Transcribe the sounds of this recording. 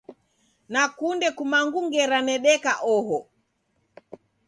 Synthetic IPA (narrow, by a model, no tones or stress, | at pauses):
nakundɛkumaŋɡuŋɡɛɾanɛɗɛkaʔɔɦɔ